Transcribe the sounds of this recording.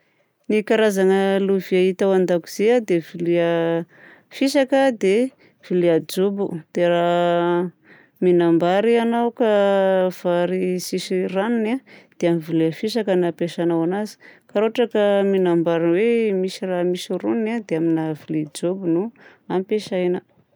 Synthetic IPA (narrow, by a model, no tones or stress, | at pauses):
nikaɾazaŋəluviait̪awand̪aku̥z̥ead̪eviliə | fisakəd̪e | v̥ilead͡ʒobud̪̥era | minambaɾianawkav̥aɾisisiraninad̪̥eamivileəfiʃakənapeʃanawanazi̥kaɾoaʈ͡ʂakəminambaɾinwemisiramisuɾunnad̪eaminavilid͡ʒobunuampeʃajnə